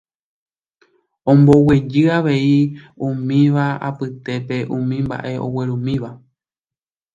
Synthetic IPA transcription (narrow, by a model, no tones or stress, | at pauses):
õ̞mbo̞we̞d͡ʒɨaʋe̞i | ũmĩʋaa̰pɨt̪e̞pe̞ʔũmĩmba̰ʔe̞ʔo̞̰we̞ɾũmĩʋa